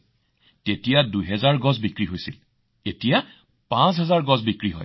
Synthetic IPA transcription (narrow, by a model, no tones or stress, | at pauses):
tetijadujɦɛzaɹɡɔzbikɹiɦojsil | etija | pãs̬ɦɛzaɹɡɔzbikɹiɦɔ̰j